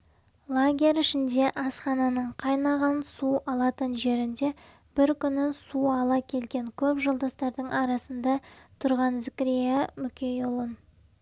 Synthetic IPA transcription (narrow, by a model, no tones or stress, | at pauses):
lˠaɡʲe̞ɾɪʃɪnd̪e̞ʔɑsχɑnɑnəɴqʰɑjnɑʁɑnsuɑlˠɑt̪ənʒe̞ɾɪnd̪e̞ | b̥ɪɾkʲʰʏnɪsuɑlˠɑkʲʰe̞lɡʲe̞ŋkʲʰɵpʒəlˠd̪ɑst̪ɑɾd̪əɴʔɑɾɑsənd̪ɑt̪ʰʊɾʁɑnzɪkʲɾijamʏkʲʰejolˠəm